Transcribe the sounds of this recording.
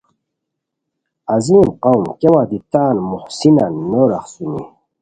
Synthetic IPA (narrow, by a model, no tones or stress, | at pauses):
aziːnqawmkewad̪it̪aːnmuχsinanːoɾaχsunḭ